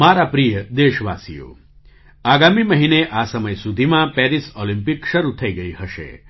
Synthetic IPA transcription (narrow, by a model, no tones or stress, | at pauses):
maɾapɾijəd̪eʃʋasḭjo̰ | aɡamiməɦineʔasəməjsud̪ʱimãpɛɾisolĩmpikʃəɾut̪ʰəiɡəihəʃḛ